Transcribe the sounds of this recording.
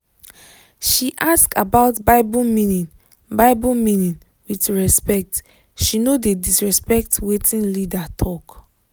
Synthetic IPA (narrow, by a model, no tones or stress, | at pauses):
ʃiʔaskabaʊtbaɪbumĩnĩn | baɪbumĩnĩn | witɹɛspɛk̚t | ʃinodedisɹɛspɛk̚twetʰĩnlidatʰɔk